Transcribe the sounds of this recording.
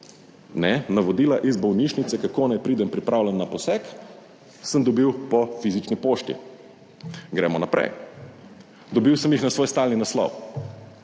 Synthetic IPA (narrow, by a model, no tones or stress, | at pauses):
nɛnaʋɔd̪iːlaʔizbɔwniʃnit̪sɛkakoːnajpɾiːd̪ɛmpɾipɾʔaːwlʲɛnːapɔsɛk | səmd̪ɔbiwpɔfizit͡ʃnipoːʃt̪ḭ | ɡɾɛ̰mɔnapɾɛ̰j | d̪ɔbiwsəmjixnasʋoːjst̪aːlninaslɔ̰w